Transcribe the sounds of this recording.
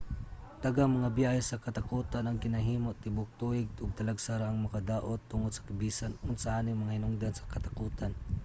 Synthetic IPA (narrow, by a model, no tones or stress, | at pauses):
t̪ɐɡamɐŋabjahisɐkɐt̪akuːt̪anɐŋɡɪnɐɦiːmot̪ɪbʊk̚t̪uɪɡ̪̚ʊɡ̚t̪ɐlaɡsaɾaʔaŋmɐkad̪aːʔot̪ːʊŋod̪sɐ̥kɐbiːsanʊnsɐʔaːnɪŋmɐŋahɪnʊŋd̪ansɐ̥kɐt̪akuːt̪an